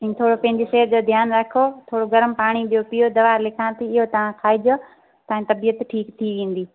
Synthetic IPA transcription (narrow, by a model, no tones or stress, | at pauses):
ɪ̃t̪ʰoːɽopɐ̃ɦɪ̃ɲd͡ʑeseːɾd͡ʑoːd̪ʱjaːnɾɐkʰot̪ʰoːɽoɡɐɾəmpaːɽ̃iɓijopɪjod̪ɐʋaːlɪkʰãːt̪ʰiɪɦot̪ɐʋãkʰaːid͡ʒoː | t̪ɐãt̪ɐbijət̪ʈʰiːkt̪ʰiʋẽːn̆d̪iː